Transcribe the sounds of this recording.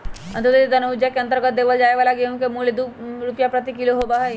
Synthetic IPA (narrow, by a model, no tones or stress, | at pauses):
ɐ̰̃nt̪əd̪ed̪ɐnəd͡ʒjakeɐ̃nt̪əɾɡət̪̚d̪eːʋəld͡ʒaːeʋaːlaɡeũkemuːled̪uɾupjapɾət̪ikiloɦobaɦɛ